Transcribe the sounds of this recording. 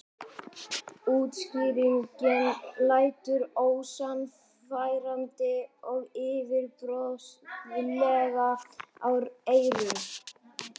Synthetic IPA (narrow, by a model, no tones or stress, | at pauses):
uːt̪sciːɾiɲkɪnlaːjt̪ʏɾoːwsan | fajɾant̪ɪɔɣɪːvɪɾtɾɔstlɛːɣaawɾeːjɾɪn